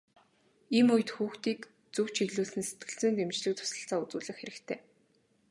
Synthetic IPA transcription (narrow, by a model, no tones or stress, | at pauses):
iːmʊj̆t̪xuːxt̪iːk | t͡sɵw̥t͡ɕʰiɣɮuːsɘ̆nse̥t̪̚ɡɘ̆ɬt͡sɘ̆nt̪emt͡ɕɮɘ̆k̚t̪ʰʊ̥sə̆ɬt͡saːut͡suːɮə̆xeɾɘ̆kt̪ʰeː